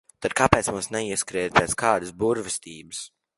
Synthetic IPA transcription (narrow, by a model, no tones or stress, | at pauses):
t̪ad̪̚kapɛːt̪smumsnɛiɛskɾiɛt̪̚peːt̪skaːd̪əsbuɾvɪst̪iːbɨs